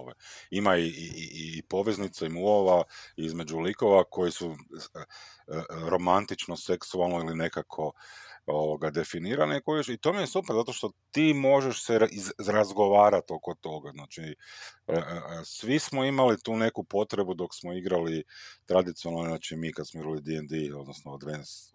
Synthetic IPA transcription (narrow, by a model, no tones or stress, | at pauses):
oʋa̰imaiiiiːpo̞ʋeznit̪saimuoʋaizme̞d͡ʒuliko̞ʋako̞jisu | ɾo̞mant̪it͡ʃno̞se̞ksualˠnoiline̞kakʰo̞oʋoɡad̪e̞finiːɾanikojiʃit̪o̞ːmijesupeɾzat̪o̞ʃt̪o̞t̪iːmo̞ʒeʃseʔiɾazɡo̞ʋaːɾat̪oko̞t̪o̞ɡaznaːt͡ʃiəsʋismoimalit̪uːne̞kupo̞t̪ɾe̞bud̪o̞ksmoiɡɾalit̪ɾad̪it̪sionaznaːt͡ʃimiːkad̪smoiɡɾalid̪iɛnd̪io̞d̪nosnod̪ʋens